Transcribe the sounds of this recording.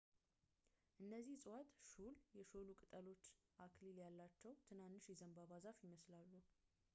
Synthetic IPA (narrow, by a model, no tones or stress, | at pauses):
ʔɨnːəzːihsʼwat̪ʃuljɛʃo̞lukʼɨt̪ʼəlo̞t͡ʃː | ʔakliljalːat͡ʃːɛwt̪ʰɨnanːɨʃjɛzəmbaβazafjɪməslalːu